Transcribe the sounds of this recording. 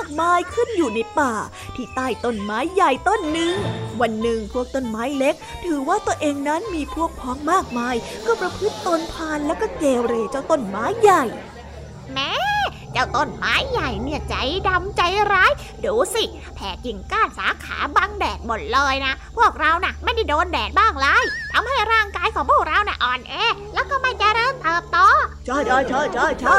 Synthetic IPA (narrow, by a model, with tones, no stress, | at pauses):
maː˥˩k̚maː˧jkʰɯ˥˩njuː˨˩na˧jpaː˨˩ | t̪ʰiː˥˩t̪aː˥˩jt̪o˧˩nmaː˦˥jːa˨˩jt̪o˧˥˩nːɯ˧ŋwa˧nːɯ˨˩ŋpʰu˥˩ək̚t̪o˥˩nmaː˦˥jle˦˥k̚t̪ʰɯː˩˦waː˥˩t̪u˧əʔeː˧ŋna˦˥nmiː˧pʰu˥˩ək̚pʰɔː˦˥ŋmaː˥˩k̚maː˧jkɔː˥˩pɾa˧pʰɯ˦˥t̪ːo˧npʰaː˧nlɛː˦˥wkɔː˥˩keː˧wɾeː˧˩t͡ɕaː˧˩wt̪o˧˥˩nmaː˦˥jːa˨˩j | mɛː˧˥ | t͡ɕaː˧˩wt̪o˧˩nma̰ː˨˦˥jːa˨˩jni˧˩ət͡ɕa˨˦jda˧mt͡ɕa˧jɾaː˦˥j | duː˨˩˦si˧˩ | pʰɛː˨˩˦t̚ji˨˩ŋkaː˥˩nsa̰ː˨˦kʰa̰ː˩˦ba˧ŋdɛː˨˩t̪̚mo˨˩t̪̚lɤː˧jna˦˥pʰu˥˩ək̚ɾa˧wna˧˩ma˥˩jda˥˩jdoː˧ndɛː˨˩t̪̚baː˥˩ŋlaː˧˥jt̪ʰa˧mha˥˩jɾaː˥˩ŋkaː˨˧˥jkʰɔː˨˦ŋpʰu˥˩ək̚ɾa˧wna˧˩ʔɔː˨˩nʔɛː˧lɛː˦˥wkɔː˥˩ma˥˩jt͡ɕa˧˨ɾɤː˧nt̪ɤː˨˩p̚t̪ɔː˧t͡ɕʰaː˧˥˩jʰa˧˩jt͡ɕʰa˧˥˩jt͡ɕʰa˧˥˩jt͡ɕʰa˧˥˩